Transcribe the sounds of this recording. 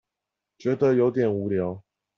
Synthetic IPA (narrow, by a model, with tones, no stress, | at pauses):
t͡ɕɥɛ˧˥d̪ə˧jo˧˥ʊt̪jɛ˨˩nu˨˥ljɑ˧˦ʊ